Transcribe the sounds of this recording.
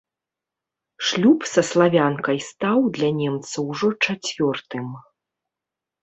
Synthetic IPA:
ʂlʲupsɐslˠavʲankɐjst̪awd̪lʲanʲɛmt̪sɐwʐɔt͡ʂat͡sʲvʲɔrt̪ɨm

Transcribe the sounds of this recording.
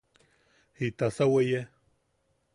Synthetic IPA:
hit̪asaweje

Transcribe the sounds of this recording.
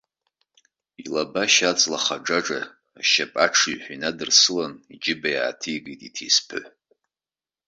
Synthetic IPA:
ilabaʃat͡sʼlaχaʈ͡ʂaʈ͡ʂʼaː | ʃapʼaʈ͡ʂʰiɥħʷinadɨrsɨlanid͡ʒɪbaja̰ːtʰijɡijtʼitʰejspʰɨ̰ħ

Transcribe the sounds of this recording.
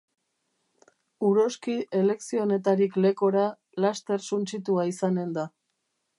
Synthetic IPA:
uɾo̞skie̞le̞ksio̞ne̞t̪̬aɾikle̞ko̞ɾa | last̪e̞ɾsunt͡sit̪uaisane̞nd̪a

